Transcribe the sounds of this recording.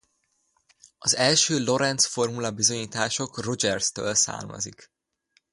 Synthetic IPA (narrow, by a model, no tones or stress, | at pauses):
ɒzɛlʃøːlo̞ɾɛnt̪sfo̞rmulɒbizo̞ɲiːt̪aːʃo̞kro̞d͡ʒɛrst̪o̰ːlsa̰ːrmɒ̰zḭk